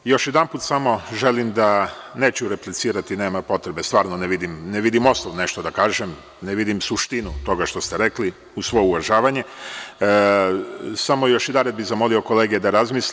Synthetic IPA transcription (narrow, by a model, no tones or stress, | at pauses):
jo̞ʃjed̪anpuːt̪samo̞ʒe̞limd̪ane̞ːt͡ʃuɾe̞plit̪siːɾat̪ineːmapo̞t̪ɾebe̞st̪ʋaːɾnoneʋid̪imneʋid̪imo̞snoʋne̞ʃt̪od̪akaːʒem | neʋid̪imsuʃt̪inut̪o̞ɡaʃt̪o̞st̪e̞ɾe̞kli | usʋo̞jeuʋaʒaːʋaɲe̞ | samo̞jo̞ʃjed̪anɾed̪bizamo̞lioko̞leːɡed̪aɾazmis